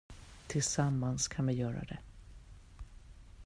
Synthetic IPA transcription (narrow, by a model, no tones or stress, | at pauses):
t̪ʰɪlsamːanskʰanmɛjœːɾa̰d̪ɛ̰